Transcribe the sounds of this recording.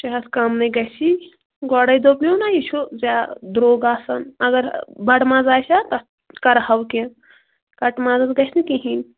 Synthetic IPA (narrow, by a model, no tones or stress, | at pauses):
t͡ʃɐɦɐskamnɐɡɐt͡ʃʰi | ɡɔːɽɐjd̪opnʲonajit͡ʃʰuzʲad̪ɾoːɡaːsɐnɐɡɐɾbɐɽmaːzaːjsʰʲat̪ɐ | kɐɾhɐwkẽ | kɐʈmaːzɐzɡɐsʰnikiɦinʲ